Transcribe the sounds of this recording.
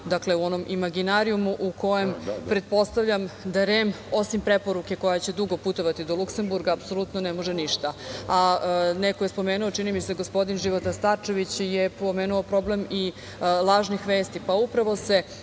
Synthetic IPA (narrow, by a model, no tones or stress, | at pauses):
d̪akle̞uo̞no̞mʔimaɡinaɾiumuʔuko̞je̞mpɾe̞t̪̚po̞st̪aʋʎamd̪aɾem | o̞simpɾe̞po̞ɾuke̞ko̞jat͡ɕe̞d̪uɡo̞put̪o̞ʋat̪id̪o̞lˠukse̞mbuɾɡaːpso̞lˠut̪nonemo̞ʒeniʃt̪aanekojespo̞meːnuot͡ʃinimise̞ɡo̞spo̞d̪inʒiʋot̪ast̪aɾt͡ʃe̞ʋit͡ɕjepo̞meːnuopɾo̞ble̞mi | lˠaːʒnixʋeːst̪ipaupɾaʋo̞se̞